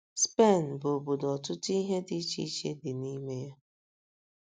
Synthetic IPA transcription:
spe˦˨n̩˨bʊ˨bʊ˨dɔ˨tʊ˦ti˦ɦe˦di˦t͡ʃḭ˦t͡ʃḛ˦dɪ˨ni˦me˦ja˦

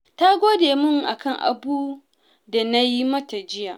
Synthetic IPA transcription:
ta˦ɡʷoː˦deː˨mʊ˦˨ŋʔa̰˨kɐ˦˨ŋʔa̰˨buː˦ | da˨na˦ji˦mɐ˦ta˨d͡ʒɪ˦jaː˨ʔ

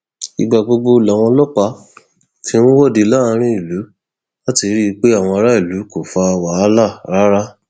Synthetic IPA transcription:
i˧ɡ͡ba˨ɡ͡bo˧ɡ͡bo˧˦la˨w̃ɔ̃˧lɔ˦˨k͡pa˧˦ | tʰĩ˧˦nũ˦wɔ˦˨di˧la˦a˧ɾ̃ĩ˦i˦˨lu˨˦ | la˦ti˧ɾi˦˧k͡pe˦a˦˨w̃ɔ̃˧ɔ˧ɾa˦i˦˨lu˨˦ko˨fa˧waː˨˦la˦˨ɾa˦ɾa˦

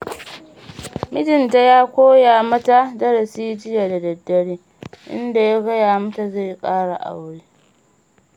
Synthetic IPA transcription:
mɪ˦dɪ˨nta˦˨jaː˦kʷoː˦jaː˨mɐ˦ta˦dɐ˦ɽɐ˨siː˦d͡ʒɪ˦ja˨da˨dɐ˨dːɐ˦ɽiː˦ | ʔɪ̰˦nda˨ja˦ɡɐ˦jaː˨mɐ˦ta˨za˦˨jkʼaː˦ɽa̰˨ʔa̰˨wɽeː˦

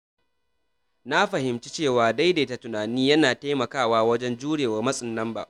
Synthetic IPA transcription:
na˦ɸɐ˨hɪ˨mt͡ʃi˦t͡ʃeː˦˨waː˨da˦jda˨˦ta˨tʊ˨naː˨niː˦jɐ˦naː˨ta˦jmɐ˨kaː˦˨waː˦wɐ˦d͡ʒɛ˦nd͡ʒuː˦ɽeː˨wɐ˨rmɐ˦sʼɪ˨nːɐ˦mba̰˨ʔ

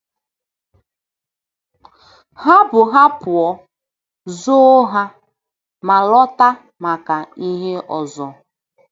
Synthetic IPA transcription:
ha˦bʊ˨ɦa˦pʊ˨ɔ˨ | zo˦ɦa˦ | ma˨lɔ˦ta˦ | ma˨ka˨i˦ɦe˦ʔɔ˨zɔ˨

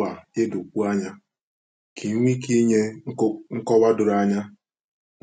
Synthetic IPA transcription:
a˨e˦dʊ˨k͡pu˦a˦ɲa˦ | kʰi˨˦ŋʷi˦ki˦ɲe˦ŋ̩˦kɔ˦ba˦dʊ˨ɾa˦ɲa˦

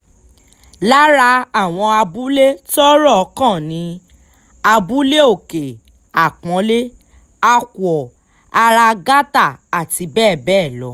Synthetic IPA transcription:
la˦ɾa˧a˦˨w̃ɔ̃˧a˧bu˨˦le˦tɔ˦ɾɔ˦ɔ˧kã˦˨nĩ˨˧˦ | a˧bu˦le˦o˦˨ke˨ | a˨k͡pɔ̃˨˦le˦ | a˧kwɔ˨ | a˧ɾa˧ɡa˦ta˦˨a˨ti˧˦bɛː˦˨bɛː˦˨lɔ̰˨˦

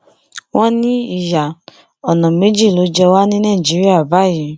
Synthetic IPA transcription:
wɔ̃˦nĩ˦i˦˨ja˨ | ɔ˨nɔ̃˨me˨˦d͡ʒi˦˨lo˨˦d͡ʒɛ˧wa˦nĩ˦nãː˦˨d͡ʒi˨˦ɾi˦a˦˨ba˨˦˨jĩ˨˦

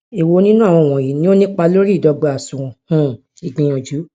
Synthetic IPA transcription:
i˨wo˧˦nĩ˦nũ˦a˦˨w̃ɔ̃˧˨w̃ɔ̃˨ji˨˦nĩ˦o˦nĩ˦k͡pa˧lo˦ɾi˦˨dɔ˧ɡ͡bɔ˨a˨sũ˨ɔ̃˨hũ˦˨ | i˨ɡ͡bĩ˨j̃ɔ̃˨d͡ʒu˨˦

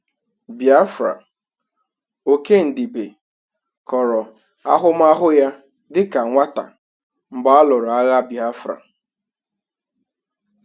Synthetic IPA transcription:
bja˦fɾa̰˨ | o˨ke˦n̩˨di˨be˨ | kɔ˨ɾɔ˨ | a˦ɦʊ˦m̩˦a˦ɦʊ˦ja˦ | dɪ˦ka˨ŋʷa˦ta̰˨ | m̩˨ba˦a˦lʊ˨ɾa˦ɣa˦bja˦fɾa̰˨

